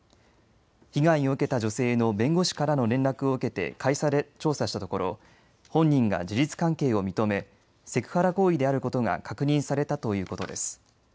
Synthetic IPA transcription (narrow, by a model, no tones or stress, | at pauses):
çiɡaiɲo̞ɯ̟ke̞t̪ad͡ʑo̞se̞ːno̞bẽ̞ŋɡo̞ɕi̥kaɾano̞ɾẽ̞nɾakɯ̟o̞ɯ̟ke̞t̪e̞̰kʰaisaɾet͡ɕo̞ːsaɕi̥t̪at̪o̞ko̞ɾo̞̰ | hõ̞ɲ̟ːĩŋɡa̰d͡ʑiɾit͡sɨ̥kãŋke̞ːo̞mʲit̪o̞me̞ | se̞kɯ̟̥haɾako̞ːid̪e̞aɾɯ̟ko̞t̪o̞ɡa̰kakɯ̟ɲ̟ĩɰ̃saɾe̞t̪at̪o̞jɯ̟ːko̞t̪o̞d̪e̞̰sɨ̥